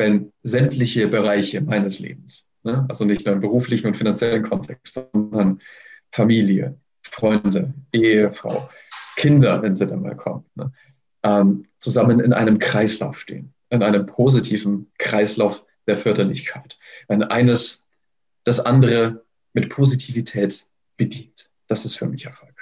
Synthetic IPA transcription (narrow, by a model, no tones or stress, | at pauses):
vɛnzɛmtʰlɪçəbəʁ̞aɪçəmaɪnəslḛːbm̩s | nəʔalzonɪçtnuːɐɪmbəʁuːflɪçn̩ʊntfinant͡sjɛlənkʰɔntʰɛkstz̥ɔndɐnfamiːljə̰ | fʁ̥ɔʏndəʔeːəfʁ̥a̰ʊ | kʰɪndɐvɛnziːdanma̰ːlkʰɔ̰mnə | ʔɛːmt͡suzamənɪ̰nʔa̰ɪnəmkʁ̥aɪsla̰ʊfʃtḛːən | ʔɪnʔaɪnəmpʰozitʰiːvn̩kʁ̥aɪslaʊf | d̥eːɐfœɐdɐlɪçkʰaɪtvɛnʔa̰ɪnəs | d̥asʔandəʁ̞ə | mɪtpʰozitʰiːvitʰɛːt | b̥ədiːnt | d̥asɪstfyːɐmɪçɛɐfɔlk̚